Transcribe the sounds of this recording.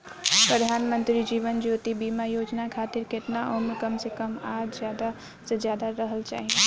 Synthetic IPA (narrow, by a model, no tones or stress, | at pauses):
pɾəd̪ʱaːnmə̃nt̪ɾid͡ʒiːʋənd͡ʒot̪ibimajoːd͡ʒnakʰaːt̪ɪɾkeʈnaɔːmekəmsekəmaːd͡ʒzjaːd̪a | səd͡ʒjaːd̪aɾəɦəlt͡ʃa̰ːɦi